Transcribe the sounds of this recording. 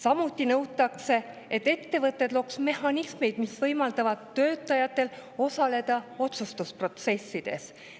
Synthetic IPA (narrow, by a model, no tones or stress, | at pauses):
sɑmut̪ːinɤwt̪ːˑɑkse̞ | et̪ːe̞t̪ːe̞vɤt̪ˑːe̞d̪lo̞ksme̞hɑnisme̞jd̪̥misvɤjmɑld̪̥ɑvɑd̪̥t̪ːø̞ːt̪ˑːɑjɑt̪ːˑe̞lo̞sɑle̞d̪̥ɑo̞t̪sust̪uspro̞t̪se̞sːid̪̥e̞̰s